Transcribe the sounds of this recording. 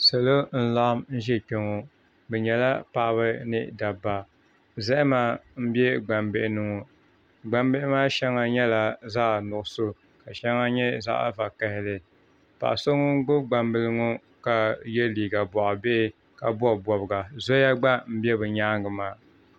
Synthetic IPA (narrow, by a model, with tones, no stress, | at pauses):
sɨ˨lo˦n̩˦la˦ʔmn̩˦ʒɛ˦k͡pɛ˨ŋo˨ | bɛ˨ɲɛ˨la˦pa˨ʔa˦βɨ˦nɨ̰˦da˨ba˨ | zɛ˦ʔɪ˦maː˦m̩˦bjɛ˦ɡ͡ba˨mbɪ˦ʔɪ˦nɨ˨ŋɔ˨ | ɡ͡ba˨mbe˦ʔɪ˦maː˦ʃɛ˦ŋa˨ɲɛ˦la˨zaː˦˨nʊ˨ʔso˦ | ka˨ʃɛ˦ŋa˦ɲɛ˦za̰˦ʔa̰˦va˨kɛ˦hɪ˦lɨ˨ | pa̰˨ʔso˦ŋʊ˦ɡ͡bʊ˦bɡ͡ba˨mbɨ˦lɨ˦ŋo˦ | ka˨jɛ˦liː˨ɡa˨bɔ˨ʔɔ˨be˦ | ka˨bɔ˦˨bɔ˨bɨ˨ɡa˨zo˦ja˦ɡ͡ba˦m̩˦bɛ˦bɨ˨ɲaː˦ŋɡɨ˨maː˦˨